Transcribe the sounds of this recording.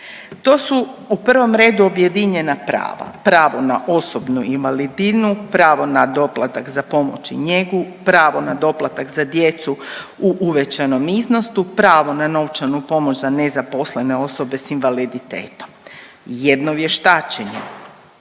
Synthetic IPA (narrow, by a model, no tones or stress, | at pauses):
t̪o̞ːsuupr̩ʋo̞mɾe̞ːd̪uo̞bje̞d̪iɲe̞napɾa̰ːʋa̰pɾaːʋo̞naʔo̞so̞bnuinʋalid̪inupɾaːʋo̞nad̪o̞plˠat̪akzapo̞mo̰t͡ʃḭɲe̞ɡupɾaːʋo̞nad̪o̞plˠat̪akzad̪je̞t̪suuʔuʋet͡ɕano̞mizno̞st̪upɾaːʋo̞nano̞wt͡ʃanupo̞mot͡ʃzanezapo̞sle̞ne̞o̞so̞be̞sinʋalid̪it̪ḛːt̪o̞m | jed̪no̞ʋje̞ʃt̪aːt͡ʃeɲḛ